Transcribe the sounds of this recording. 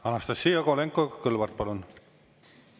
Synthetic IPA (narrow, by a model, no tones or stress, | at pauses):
ɑnɑst̪ɑsːiːjɑkoleŋkːˑokɤlvɑrt̪̚pɑlun